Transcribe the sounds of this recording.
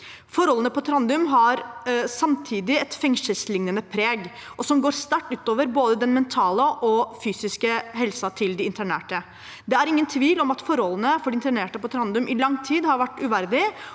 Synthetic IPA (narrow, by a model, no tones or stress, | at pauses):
fɔɾhɔlːənəpʰɔt̪ʰɾɑnd̪ʉmɦɑɾsɑmt̪ʰiːd̪ɪɛt̪fɛŋsəlslɪŋnənəpʰɾeːɡʔɔsɔmɡoːɾst̪æʈːʉːt̪oːʋəɾboːd̪əd̪ɛnmɛnt̪ʰɑːləʔɔfyːsɪskəɦɛlsɑt̪ʰɪld̪ɪɪnt̪ʰæɳḛːʈə | d̪ɛæɾɪŋːənt̪ʰʋiːlɔmɑt̪fɔɾɔlənəfɔɖɪɪnt̪æɳeːʈəpɔt̪ʰɾɑnd̪ʉmʔɪlɑŋt̪ʰiːd̪hɑɾʋæʈːʉʋæɾd̪ɪ